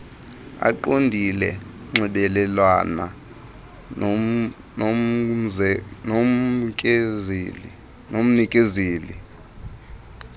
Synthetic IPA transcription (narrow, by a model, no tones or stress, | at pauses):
a̰ǃondʱilɛ̰ | ŋ͡ǁʱiɓɛlɛlwana̰ | no | nomkʼː | nom̩nikʼeziːli